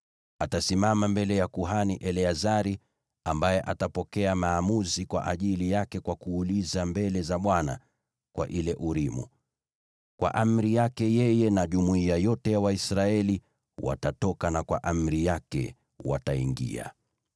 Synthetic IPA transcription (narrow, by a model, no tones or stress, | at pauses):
atasimamambɛlɛjakuɦaniʔɛliazaɾi | ambajɛʔatapɔkɛamaːmuzikwa̰ʔaʄilijakɛkwakuːlizambɛlɛzaɓwana̰ | kwa̰ʔilɛʔuɾimṵ | kwa̰ʔam̩ɾijakɛjɛjɛnaʄumuiajɔtɛjawaisɾaɛli | wa̰tatɔkanakwa̰ʔam̩ɾijakɛ̰ | wa̰taiŋɡḭa̰